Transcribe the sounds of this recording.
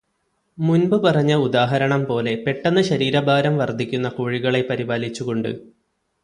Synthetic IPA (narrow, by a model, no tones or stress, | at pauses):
munbɨpɐrɐɲːɐud̪aːɦɐɾɐɳɐmpo̞ːle̞pe̞ʈːɐnːɨɕɐɾiːɾɐbʱaːɾɐmʋɐrd̪ʱikʲːunːɐkuːɻiɣɐɭe̞pɐɾibaːlit͡ɕːuɣo̞ɳɖɨ̰